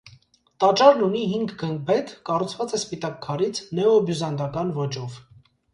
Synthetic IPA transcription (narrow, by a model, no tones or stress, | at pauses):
t̪ɑt͡ʃɑɾnuniɦiŋɡɡəŋɡ̚bɛt̪kɑrut͡sʰvɑt͡sɛspit̪ɑkʰːɑɾit͡sʰnɛɔbjuzɑnd̪ɑkɑnvɔt͡ʃɔv